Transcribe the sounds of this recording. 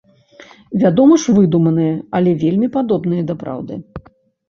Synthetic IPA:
vʲad̪ɔmɐʂvɨd̪umɐnɨjɐɐlʲɛvʲelʲmʲipad̪ɔbn̪ɨjɐd̪ɐpɾa̰wd̪ɨ̰

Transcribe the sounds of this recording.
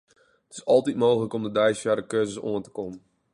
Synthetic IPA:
ətɪ̥sɔlˠtit̚moːxələkɔmdədɛjsjaɾəkøːzəso̰əntə̥kɔm

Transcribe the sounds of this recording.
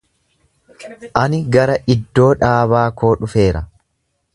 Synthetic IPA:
ʔɐnɪɡɐɾɐʔɪd̪ːo̞ːᶑaːβaːko̞ːᶑʊfe̞ːɾɐ

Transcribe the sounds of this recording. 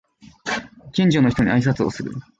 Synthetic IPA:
kʲĩɲ̟d͡ʑo̞no̞çi̥t̪o̞ɲ̟iais̬at͡sɨo̰sɨɾɯ̟̰

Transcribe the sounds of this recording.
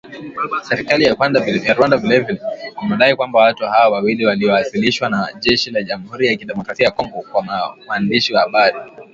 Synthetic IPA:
sɛɾikalijaajaɾwandavilɛvilɛimɛɗaikwambawatuhawawawiliwaliɔwasiliʃwanaʄɛʃilaʄamuhuɾijakiɗɛmɔkɾasiajakɔŋɡɔkwamawaːndiʃiwahaɓaɾi

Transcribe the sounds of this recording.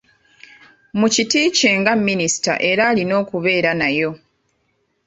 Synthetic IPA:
mucitiːce̞ːŋɡamːinisi̥ta̰ʔe̞ɾaːlino̞ːkuβe̞ːɾanajo̞

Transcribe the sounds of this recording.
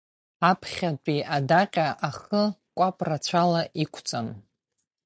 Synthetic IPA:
apʰχʲat͡pʷʼiʔadaqʲʼaʔaχəkʷʼapʼrat͡ɕʷʰalaʔikʷʰt͡sʼan

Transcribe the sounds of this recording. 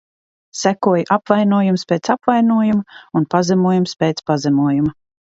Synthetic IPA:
sækuɔjʔapvajnuɔjumspʲeːt̪sapvajnuɔjumaunpazɛmuɔjumspeːt̪spazɛmuɔjumɐ

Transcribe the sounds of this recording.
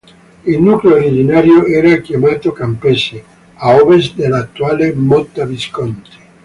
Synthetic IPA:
ilnukleoːɾid͡ʒinaːɾjoɛːɾakjamaːt̪okampɛse | awvesd̪elːat̪ːuaːlemɔt̪ːaviskɔnt̪e̥

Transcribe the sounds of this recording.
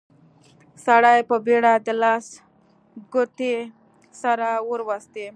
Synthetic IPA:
saɽajpəbeɽad̪əlas | ɡʊt̪e | saɾawəɾwast̪e

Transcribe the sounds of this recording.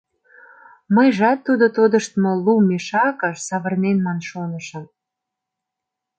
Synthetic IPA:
məjʒɑt̪ːud̪ot̪od̪əʃt̪molumeʃɑkəʃsɑβərnenmɑnʃonəʃə̆m

